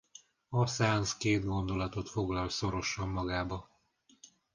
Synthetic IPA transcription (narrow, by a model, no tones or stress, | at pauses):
ɒsaːnskeːd̪ɡo̞nd̪o̞lɒt̪o̞t̪fo̞ɡlɒlso̞ɾo̞ʃɒmːɒɡaːbɒ